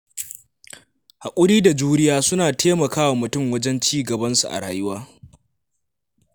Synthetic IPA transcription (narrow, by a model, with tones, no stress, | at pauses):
ha˨kʷʼʊ˦ɽiː˦da˨d͡ʒuː˦ɽɪ˦jaː˦sʊ˦naː˨tʰeː˦mɐ˨kaː˦wa˨mʊ˨tʊ˦˨mwɐ˦d͡ʒɛ˦nt͡ʃiː˦ɡɐ˨bɐ˦nsu˨ʔa̰˨ɽa̰ː˨jʊ˦waː˦